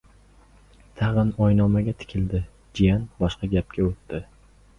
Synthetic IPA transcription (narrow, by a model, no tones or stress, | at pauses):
t̪ʰaʁɨnɒjnɒmaɡʲat̪ʰɪ̥kʲʰɪld̪ɪ | d͡ʒijanbɒʃqɑɡʲap̚kʲaot̪ːɪ